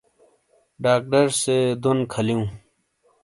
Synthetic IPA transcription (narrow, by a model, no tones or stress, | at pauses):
ɖaːk̚ʈəɾsed̪ʊnkʰəlijũː